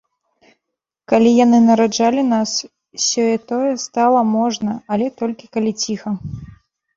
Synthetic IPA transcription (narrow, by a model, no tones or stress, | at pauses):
kalʲijanɨnɐɾad͡ʐalʲinas | sʲɔjɛt̪ɔjɛst̪alˠɐmɔʐnɐɐlʲɛt̪ɔlʲkʲikalʲit͡sʲixɐ